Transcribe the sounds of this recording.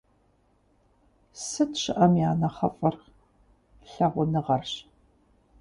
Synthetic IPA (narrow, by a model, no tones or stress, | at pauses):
sɨtɕɪʔɐmjaːnɐχɐfʼɐr | ɬɐʁʷʊnɨʁɐrɕ